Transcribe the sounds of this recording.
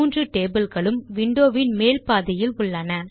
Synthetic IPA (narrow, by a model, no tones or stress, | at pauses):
ndrɯʈeːbɪlɣɐɭɯmʋɪɳɖoːʋɪnmeːlpaːðɐjɪlʊɭːɐnɐ